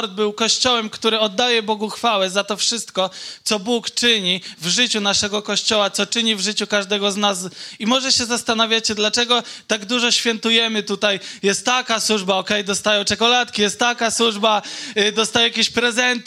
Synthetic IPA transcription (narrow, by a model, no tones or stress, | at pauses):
ɾd̪̚bɘwkɔɕt͡ɕɔwɛmkt̪uɾɘɔd̪ːajɛbɔɡuxfawɛzat̪ɔfʂɘst̪kɔt̪sɔbukt͡ʂɘɲivʐɘt͡ɕunaʂɛɡɔkɔɕt͡ɕɔwat̪sɔt͡ʂɘɲivʐɘt͡ɕukaʐd̪ɛɡɔznasimɔʐɛɕɛzast̪anavʲjat͡ɕɛd̪lat͡ʂɛɡɔt̪aɡd̪uʐɔɕfʲjɛnt̪ujɛmɘt̪ut̪ajjɛst̪ːakaswuʐbaɔkɛjd̪ɔst̪ajɔ̃w̃t͡ʂɛkɔlat̪kʲijɛst̪ːakaswuʐbad̪ɔst̪ajɛjakʲeɕpɾɛzɛnt̪